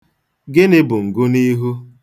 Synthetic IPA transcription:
ɡɪ˦nɪ˦bʊ˨ŋ̩˨ɡʊ˦ni˦ɦu˦

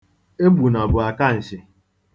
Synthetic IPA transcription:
e˦ɡ͡bu˨nɔ˨bʊ˨a˨ka˦n̩˨sɪ˨

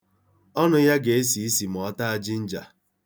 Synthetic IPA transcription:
ɔ˦nʊ˦ja˦ɡe˨e˦s̬i˨i˦si˨m̩˨ɔ˨˦ta˦a˨d͡ʒɪ˦n̩˦d͡ʒa̰˨

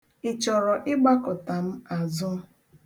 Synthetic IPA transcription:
ɪ˨t͡ʃɔ˨ɾɔ˨ʔɪ˦ɡ͡ba˦kʊ˨ta˨m̩˦a˨zʊ˦

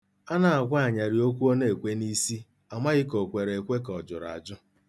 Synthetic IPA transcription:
a˦na˨a˨ɡʷa˦a˨ɲa˨ɾi˨o˦k̬ʷu˦o˦ne˦˨kʷe˦ni˦si˦ | a˨ma˦ɣɪ˦ko˨kʷe˨ɾe˨kʷe˦kɔ˨d͡ʒʊ˨ɾa̰˨d͡ʒʊ˦

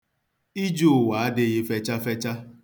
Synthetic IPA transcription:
i˦d͡ʒo˦˨wa˨a˦dɪ˦ɣɪ˦fe˦t͡ʃa˦fɛ˦t͡ʃa˦

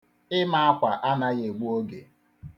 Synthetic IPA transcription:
ɪ˦ma˦a˦kʷa˨ʔa˦na˦ɣe˨ɡ͡bu˦o˦ɡḛ˨

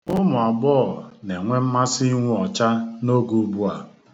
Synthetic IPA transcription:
ʊ˦mʊ˨a˨bɔː˦˨ne˨ŋʷe˦m̩˦ma˦si˦i˦ŋʷu˦ɔ˨t͡ʃa˦no˦ɡu˨˦bu˦a˨

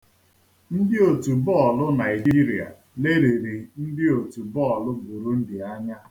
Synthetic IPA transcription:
n̩˦dɪ˦o˨tu˨bɔ˦ɔ˨lʊ˦na˨i˨di˦ɾi˨a̰˨ | le˦ɾe˨ɾi˨n̩˦dɪ˦o˨tu˨bɔ˦ɔ˨lʊ˦bu˨ɾu˦n̩˦dɪ˨a˦ɲa˦

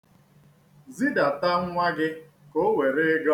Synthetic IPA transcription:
zi˦da˨ta˦ŋ̩˦ŋʷa˦ɡɪ˦ | ko˦we˨ɾe˦ɡɔ˦

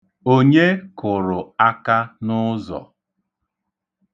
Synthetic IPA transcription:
o˦ɲe˦kʊ˨ɾʊ˨a˦ka˦nʊ˦zɔ̰˨

